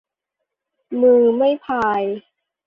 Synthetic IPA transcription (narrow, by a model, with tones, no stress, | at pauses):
mɯː˧ma˥˩jpʰaː˧j